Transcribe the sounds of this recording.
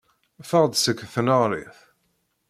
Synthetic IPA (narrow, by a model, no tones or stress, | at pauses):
fəʁd̪səkːθənəʁɾˤḭθ